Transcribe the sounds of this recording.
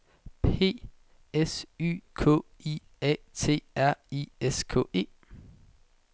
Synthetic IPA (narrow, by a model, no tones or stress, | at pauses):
pʰe̝̰ː | esy̰ːkʰɔ̰i | ɛ̰t͡sʰe̝̰ːæɐ̰ieskʰɔ̰̽ːe̝̰ː